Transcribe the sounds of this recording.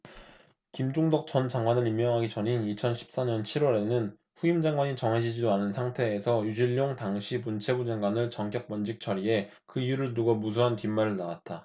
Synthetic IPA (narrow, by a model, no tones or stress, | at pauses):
kimd͡ʑoŋdʌk̚t͡ɕʌnt͡ɕaŋɡwanɯɾimːjʌŋɦaɡit͡ɕʌninit͡ɕʰʌnɕʰi̥p̚s͈aɲʌnt͡ɕʰiɾwʌɾe̞nɯn | ɸuimd͡ʑaŋɡwaɲit͡ɕʌŋɦe̞d͡ʑid͡ʑidoanɯnsʰaŋtʰe̞ːsʰʌjud͡ʑiʎːoŋtaŋɕʰipunt͡ɕʰe̞bud͡ʑeŋɡwanɯɭt͡ɕʌŋkjʌk̚p͈ʌnd͡ʑik̚t͡ɕʰʌɾie̞ | kɯijuɾɯɭnuɡʌmusʰuɦantimːaɾɯɭnawat̚t͈a